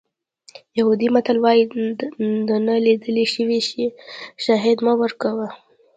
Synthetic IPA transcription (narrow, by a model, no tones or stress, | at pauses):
jahud̪imat̪alwɑji | d̪ənəlid̪əleʃəwiʃeʃɑɦɪd̪mawəɾkawə